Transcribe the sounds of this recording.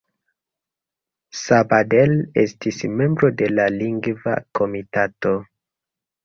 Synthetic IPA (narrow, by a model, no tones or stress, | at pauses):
sabadelestʰisme̞mbɾo̞de̞laliŋɡva̰kʰo̞mitato̞